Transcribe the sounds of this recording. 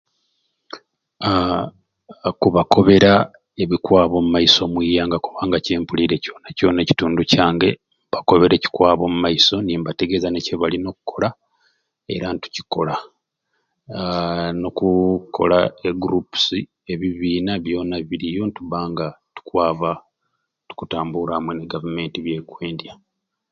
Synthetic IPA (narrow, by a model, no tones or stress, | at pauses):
kuβako̞βe̞ɾa | e̞βikwaːβo̞mumajiso̞mwiːjaːŋɡakuβaːŋɡace̞ːmpuliɾe̞co̞naco̞ːneci̥tuːnducaːŋɡe̞ | mbako̞βe̞ɾe̞ci̥kwaːβo̞mumaiso̞niːmbate̞ɡezaneceβalino̞kukʰo̞la | e̞̰ɾantu̥ci̥ko̞la | nokukʰo̞̰laeɡuɾupu̥si | e̞βiβiːnaβjo̞ːnaβiɾijo̞ntuβaːŋɡatu̥kwaːβa | tu̥kutaːmbuɾahmweneɡavume̞ːntiβje̞kwe̞ːndja